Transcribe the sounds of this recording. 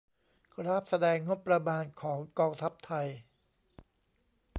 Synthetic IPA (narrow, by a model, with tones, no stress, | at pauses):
ɾa˦˥˩p̚sa˧dɛː˧ŋːo˦˥pːɾa˧maː˧nkʰɔː˩˦ŋkɔː˧ŋt̪ʰa˦˥p̚t̪ʰa˧j